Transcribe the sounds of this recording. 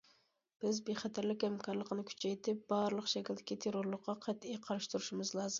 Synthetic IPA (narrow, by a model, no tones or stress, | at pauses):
b̥ɪzbeχæt̪ʰæɾlɪkʲhɛmkʰɑɾlˠəqənɨkʲʰy̥t͡ʃʰɛjt̪ʰɪp̚bɑɾlˠəqʃɛkʲild̪ɪ̥kʲit̪ʰeɾoɾlˠʊqːɑqʰɛt̪ijqʰɑɾɨʃt̪uɾuʃimɨzlˠɑːzɨm